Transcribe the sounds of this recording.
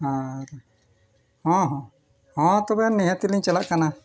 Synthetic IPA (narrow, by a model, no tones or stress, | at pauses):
hãɾ | hɔ̃ɦɔ̃ | hɔ̃t̪ɔbɛnɛɦãt̪iliɲt͡ʃalaʔkana